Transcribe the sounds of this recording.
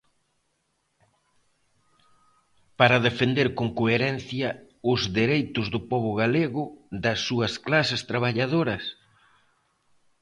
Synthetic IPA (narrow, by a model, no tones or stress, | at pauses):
paɾɐðefend̪eɾkoŋkoeɾɛn̟θjɐ | ʊzðeɾejt̪ʊzðʊpɔβ̞ʊɣaleɣʊðɐsːuɐsklasɪst̪ɾaβ̞aʎað̞oɾɐs